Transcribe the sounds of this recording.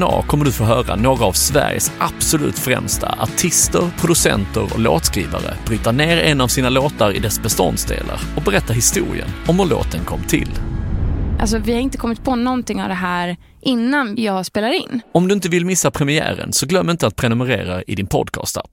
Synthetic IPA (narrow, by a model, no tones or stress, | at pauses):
nɑ̰ːkʰɔmːəɖɵfoːɦœːɾanoːɡɾaːvsvæ̰ɾjə̰sʔab̥sɔlʉ̟ːt̪fɾɛ̰mst̪ʰa̰ʔaʈʰɪst̪əɾpʰɾʊd̪ɵsɛ̰nt̪əɾɔ̰lo̰ːt̪skɾiːvaɾə̰b̥ɾyːt̪aɳeːɾɛnavsiːnaloːt̪aɾɪd̪ɛsbɛst̪ɔ̰nd̪sd̪ḛːlʔaɾɔbɛɾɛt̪ːaɦɪst̪uːɾɪ̰ə̰nɔmʉɭo̰ːt̪ʰənkʰɔmːt̪ʰɪlː | ʔa̰ls̬ɔvɪhaɾɪnt̪əkʰɔmːɪt̪̚pʰɔnɔnt̪ɪŋːavd̪ɛɦæːɾ | ʔɪnːanjɑːspeːlaɾɪnːɔmd̪ɵɪnt̪̬əvɪlmɪsːapʰɾɛmɪæːɾə̰nsɔɡlœmːɪnt̪əat̪̚pʰɾɛnɵməɾeːɾaɪd̪ɪnpʰɔd̪kʰɑ̰ːst̪ap